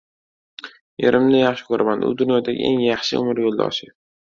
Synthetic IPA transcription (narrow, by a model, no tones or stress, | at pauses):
eɾʔɪmnɪjɑχʃɪ̥kʰɵɾʔamand̪ɪ̰ʊ̰d̪ʊnjɒd̪aɡʲɪ̰ʔe̞̰ŋjɑχʃɪʔʊ̰mɪɾjolˠd̪ɒ̰ʃɪ